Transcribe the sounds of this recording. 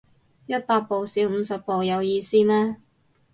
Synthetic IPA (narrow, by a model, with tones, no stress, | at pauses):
jɐ˥t̚paː˧k̚po˨wsiː˨˧˥wm̩ː˨˧sɐ˨p̚ːo˨wjɐ˨˧wjiː˧siː˥mɛː˥